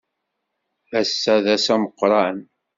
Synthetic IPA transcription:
æsːæðæsæməqːɾˤɑən

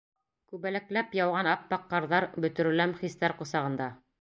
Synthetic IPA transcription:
kʉβælæklæpjɑwʁɑnɑpːɑqːɑɾðɑɾbɵ̆t̪ɵ̆ɾɘ̆læmχist̪æɾqŏsɑʁɤ̆nd̪ɑ

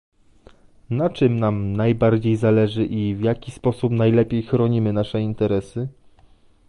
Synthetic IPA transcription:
nat͡ʂɘmnamnajbaɾd͡ʑejzalɛʐɘʔivjakʲispɔsupnajlɛpʲejxɾɔɲimɘnaʂɛint̪ɛɾɛsɘ

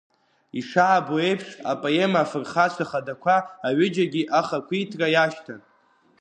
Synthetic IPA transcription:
iʂaʕaboe̞jpʰʂa̰pʼoemafɨrχat͡ɕʷʰaχadakʷʰaːɥʏd͡ʒaɡʲiʔaχakʷʰitʰrajaʃtʰan

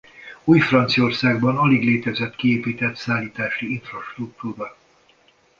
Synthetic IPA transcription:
uːjfrɒnt̪sijo̞rsaːɡbɒnɒliɡleːt̪ɛzɛt̪kieːpiːt̪ɛt̪saːlːiːt̪aːʃiiɱfrɒʃt̪ruk̚t̪uːɾɒ

